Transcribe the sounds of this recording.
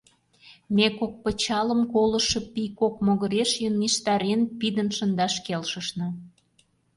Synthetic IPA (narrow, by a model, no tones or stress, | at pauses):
mekok̚pə̆t͡ɕɑlə̆mkolə̆ʃɤ̆pikok̚moɣə̆ɾeʃjənːiʃt̪ɑɾenpid̪ənʃə̆nd̪ɑʃkelʃə̆ʃnɤ̆